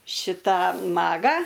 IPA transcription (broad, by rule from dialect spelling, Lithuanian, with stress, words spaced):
ˈʃʲɪtɑː ˈmɑːɡɑː